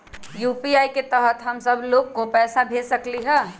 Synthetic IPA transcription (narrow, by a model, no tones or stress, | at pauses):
juːpiaːiket̪əɦət̪ɦɐmsɐbloːɡkopɛːsabʱeːsɐkliɦɛː